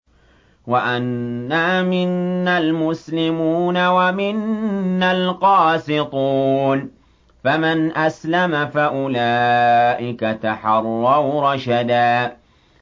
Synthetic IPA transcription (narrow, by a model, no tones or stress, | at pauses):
waʔanːamɪnːalmʊslɪmuːnawamɪnːalqɑːsɪt̪ˤuːn | famanʔaslamafaʔʊlaːʔɪkat̪aħɑrˤːɑwɾˤɑʃad̪aː